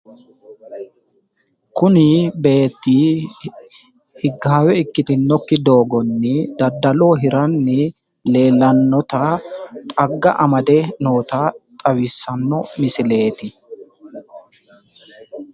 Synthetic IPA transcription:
kʊnɪbe̞ːt̪ːiː | hɪɡːaːwɛɪkːɪt̪ɪnːɔkːɪd̪o̞ːɡɔnːɪd̪ɐd̪ːɐlo̞ːɦɪɾɐnːɪ | le̞ːlɐnːɔt̪ɐt̪ʼɐɡːɐ̰ʔɐmɐd̪ɛno̞ːt̪aːt̪ʼɐwɪsːɐnːɔmɪsɪle̞ːt̪ɪ

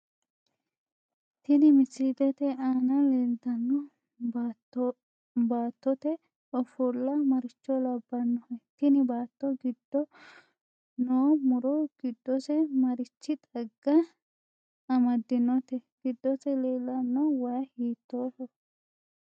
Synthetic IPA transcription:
t̪ɪnɪmɪsid̪ɛt̪ɛaːnɐlend̪ɐnːɔ | baːt̪ːɔt̪ɛ | ɔfʊlːɐmɐɾɪt͡ʃːɔlɐbːɐnːɔhɛt̪ɪnɪbaːt̪ːɔɡɪd̪̥ːɔ | noːmʊɾɔɡ̥ɪd̪ːɔsɛmɐɾɪt͡ʃːɪt̪ʼɐɡːɐ | ɐmɐd̪ːɪnɔt̪ɛɡ̥ɪd̪ːɔsɛleːlːɐnːɔwɐjɐhiːt̪ːoːsɔ

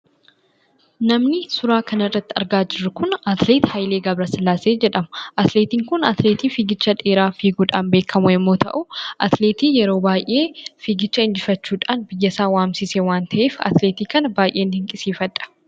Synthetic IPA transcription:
nɐmnɪsʊɾaːkɐnɪrːɐt̪ːɪɐ̰ɾɡaːd͡ʒɪrːʊkʊnɐt̪leːt̪hɐjleːɡɐbɾɐsɐlːaːseːd͡ʒɛᶑɐmʊʔɐt̪leːt̪iːŋkʊnɐt̪leːt̪iːfiːɡɪt͡ʃːɐᶑeːɾaːfiːɡuːᶑaːnbe̞ːkʰːɐmʊɛmːoːt̪ɐ̰ʔʊʔɐt̪leːt̪iːjɛɾo̞ːbaːjʔʔe̞ːfiːɡɪt͡ʃːɐɪnd͡ʒɪfɐt͡ʃːuːᶑaːnbɪjːɐsaːwaːmsɪsewaːnt̪ɐʔe̞ːfɐ̰t̪leːt̪iːkɐnɐbaːjʔe̞ːnːɪhɪŋkʼɪsiːfɐᶑʼɐ̥

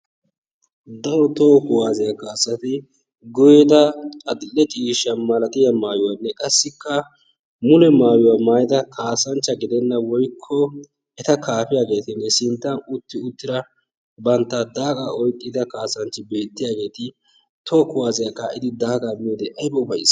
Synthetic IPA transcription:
d̪ɐɾɔt̪oːkʊwaːzɪjɐkːasːɐt̪ɪ | ɡʊjed̪ɐɐd̪ɪɛt͡ʃʼiːʃɐmɐlɐt̪ʼɪjɐmaːjʊwanːɛkʼɐsːɪkːɐ | mʊlɛmaːjʊwaːmaːjɪd̪ɐkʰaːsɐnt͡ʃːɐɡɪd̪ɛnːɐwɔjkʰːɔ | ɛt̪ɐkʰaːpɪjaːɡe̞ːt̪ɪnːɛsɪnt̪ːɐnʊt̪ːɪʊt̪ːɪɾɐ | bɐnt̪ːad̪aːkʼaɔjt̪ʼːɪd̪ɐkaːsɐnt͡ʃːɪbe̞ːt̪ːɪjaːɡe̞ːt̪ɪ | t̪o̞ːkʊwaːzɪjɐkːaɪd̪ɪd̪aːkʼɐmiːd̪ɛʔɐjbɔʊbɐjɪ̰s

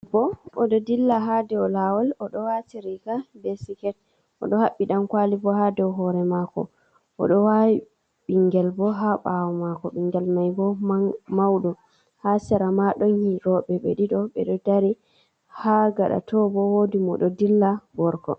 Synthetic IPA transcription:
bɔɔɗɔdilːaɦadɛwlawɔlɔɗɔwatiɾikabɛsikɛt̚ | ʔɔ̰ɗɔhaɓːiɗankwalibɔɦadɛwɦɔɾɛmakɔ̰ | ʔɔ̰ɗɔwawi | ɓiŋɡɛlbɔɦaɓawɔmakɔɓiŋɡɛlmajbɔmawɗɔ | hasɛɾamaɗɔnhiɾɔɓɛɓɛ̰ɗiɗɔɓɛɗɔdaɾi | haɡaɗa̰tɔbɔwodimɔ̰ɗɔdilːaɡɔɾkɔ̰

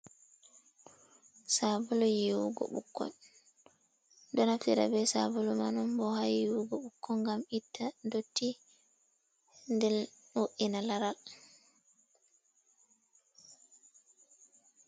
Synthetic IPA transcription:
sabulɔjiwṵɡɔ̰ɓṵkːɔ̰n | dɔnafiɾa̰bɛsabulɔmanɔmbɔhajiwuɡɔɓukːɔŋɡamitʰːadotʰːi | ndɛlnoʔinalaɾal

